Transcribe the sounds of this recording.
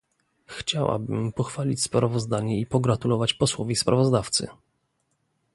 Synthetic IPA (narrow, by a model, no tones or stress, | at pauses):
xt͡ɕawa̰bɘ̰mpɔxfalʲit͡ɕspɾavɔzd̪aɲɛipɔɡɾat̪ulɔvat͡ɕpɔswɔvʲispɾʔavɔzd̪aft̪sɘ̰